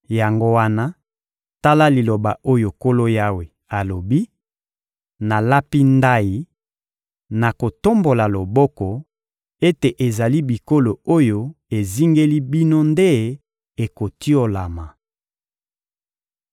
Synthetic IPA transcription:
ja˨ŋɡo˦wa˦na˦ | ta˦la˦li˨lo˨ba̰˨o˦jo˨ko˦lo˦ja˦we˨ | a˨lo˨bi˦ | na˨la˦pi˦nda˦ji˨ | na˨ko˨to˦mbo˨la˨lo˨bɔ˦kɔ˨ | e˦te˨ʔe˨za˨li˦bi˨ko˦lo˨o˦jo˦e˨zi˦ŋɡe˦li˦bi˦no˦nde˦ | e˨ko˨ti˦o˨la˨ma˨

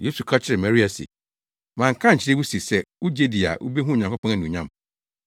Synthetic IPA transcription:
je˦su˨kʰa˦t͡ɕʰɪ˦ɾɪ˨ma˨ɾi˦a˨sḭ˨ | mã˨ŋ̩˨kʰã˦ɲ̩˨t͡ɕʰɪ˦ɪ˦wu˦si˨sɛ˦wu˦d͡ʑe˦di˨a̰˨ʔṵ˦be˦ɦũ˦˨ɲã˨ŋkʷʊ˦pʰã˦na˦˨nũ˨ɲã˦m

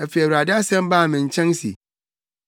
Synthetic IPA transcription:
æ˨fɛ˨wɾa˨dɪ˦a˦sɛ̃˦mbaː˦˨mɪ̃˨ɲ̩˨t͡ɕʰɛ̃˦ŋsḭ˨

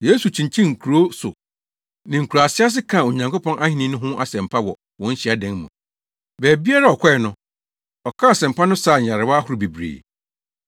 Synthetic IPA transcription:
je˦su˨t͡ɕʰĩ˨ɲt͡ɕʰĩ˦ŋ̩˨kʰu˨ɾo˦sʊ̰˨ | nɪ̃˨ŋ̩˨kʰu˨ɾa˨sɪ˦a˦s̬ɪ˦kʰã˦˨o˨ɲã˨ŋko˦pʰɔ̃˦nʔa˦hĩ˨nĩ˦nʊ̃˦ɦʊ̃˦ʔa̰˨sɛ̃˨m˨pʰa˦wɔ̰˨ | wɔ̃˦n̩˦ɕi˦˨a˦dɛ̃˨˦ŋ˦mṵ̃˨ | bɛː˨bi˦a˦ɾa˦˨ɔ˨kʰʷɔ˦ɛ˨nʊ̃˦ | ɔ˨kʰã˦a˨sɛ̃˨mpʰa˦nʊ̃˦saː˦˨ɲ̩˨a˨ɾɪ˨wa˦hʊ˦ɾʊ˨be˨bɾḛː˨

